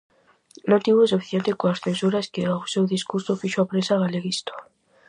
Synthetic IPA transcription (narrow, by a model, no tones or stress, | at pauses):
nõnt̪iβoesufi̥θjent̪ekoasθensuɾaskeawsewðiskuɾsofiʃoapɾesaɣaleɣist̪o̥